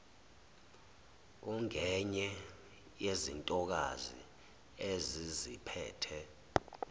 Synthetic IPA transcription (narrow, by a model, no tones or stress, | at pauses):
uŋʱɛɲɛ | jezintʼɔk̬a̰zḭ | ezizipʰɛ̰ːtʰɛ